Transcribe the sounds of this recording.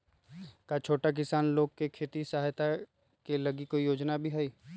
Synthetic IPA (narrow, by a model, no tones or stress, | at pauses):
kat͡ʃʰoːʈak̬ɪsaːnloːɡ̚kekʰeːt̪isaɦjt̪a | kelɐɡikoːijoːd͡ʒnabʱiɦɛiː